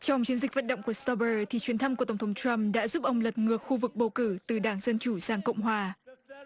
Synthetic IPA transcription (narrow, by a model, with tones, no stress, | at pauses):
t͡ɕɔ˧wŋ͡mt͡ɕi˨˦ənzï˨˩k̚və˧˨nɗə̰˧˨ŋ͡mku˧˩əst̪ɔ˧bəː˧˩t̪ʰi˨˩t͡ɕwi˨˦ənt̪ʰa˧mkt̪ə˩ŋ͡mt̪ʰə˨˦ŋ͡mt͡ɕɹa˧mɗa̰ː˧˥zu˦˥p̚ʔə˧wŋ͡mlə˨˩t̚ŋɨ˨˩ək̚xu˧vɨ˨˩k̚ɓə˨˩wkɨ˧˩t̪ɨ˨˩ɗaː˧˩ŋzə˧nt͡ɕu˧˩zaː˧ŋkə̰˧˨wŋ͡mɦwaː˨˩